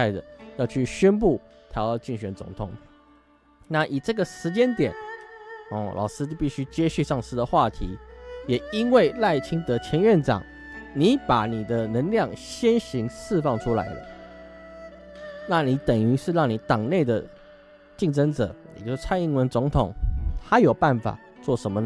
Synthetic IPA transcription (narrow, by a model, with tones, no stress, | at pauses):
ɪd̪ə̰˩jɑ˥˧ʊt͡ɕʰy˥˩ɕɥɛ˦np̬u˥˩ | t̪ʰa˧˥jɑ˥˧ʊt͡ɕi˥˩ŋɕɥɛ˨˩nt͡sʊ̰˧˥ŋt̪ʰʊ˨˩ŋ | na˥˩ʔi˨˩ʈ͡ʂɤ˥˩ɡə˩ʂɻ̩˧˥t͡ɕjɛ˦˥nt̪jɛ˨˩˦n | ɔ˥˨˩lʔɑ̰˨˩ʊsɹ̩˥t͡ɕo˥˧pi˥˩ɕy˥t͡ɕjɛ˥ɕy˥˧ʂɑ˥˩ŋsɹ̩˥d̪ə˨xwa˥˨t̪ʰi˧˥˦jɛ˨˩i˦˥ŋwe˥˩ɪla˥˩ɪt͡ɕʰi˥ŋt̪ɤ˧˥t͡ɕʰjɛ˧˥nɥɛ˥˨nʈ͡ʂɑ̰˨˩ŋ | ni˨˩˦pa˨˩˦ni˨˩d̪ə˦nə˧˥ŋljɑ˥˨ŋɕjɛ˦˥nɕi˧˥ŋʂɹ̩˥˧fɑ˥˧˩ŋʈ͡ʂʰu˥la̰˧˦ɪlə̰˨ | na˥˨ni˧˥˦t̪ə˨˩ŋy˧˥ʂɻ̩˥˧ɻɑ˥˩ŋni˨˦t̪ɑ˨˩ŋne˥˩ɪd̪ə˩ | t͡ɕi˥˩ŋʈ͡ʂə˥ŋʈ͡ʂɤ̰˨˩˦ɛ̰˨˩t͡ɕjo˥˧ʊ˥t͡sʰa˥˧ni˥˩ŋwə˧˥nt͡so˧˥ŋt̪ʰʊ˨˩ŋt̪ʰa˥jo˨˩ʊpa˥˩nfa̰˨˩ | t͡swɔ˥˩ʂə˧˦nmə˧n